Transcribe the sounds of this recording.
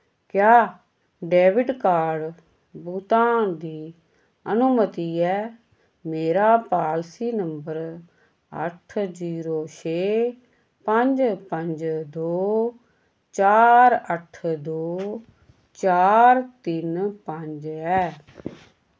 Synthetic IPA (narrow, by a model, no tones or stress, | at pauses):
kjaː | ɖeːʋɪɖkaːɖ | buːt̪ãːd̪iː | ənʊmət̪iːɛː | meːɾaːpaːlsiːnəmbəɾ | ə̰ʈʰd͡ʒiːɾoːt͡ʃʰeː | pəɲd͡ʒpəɲd͡ʒd̪oː | t͡ʃaːɾəʈʰd̪oː | t͡ʃaːɾt̪ɪnpəɲd͡ʒɛː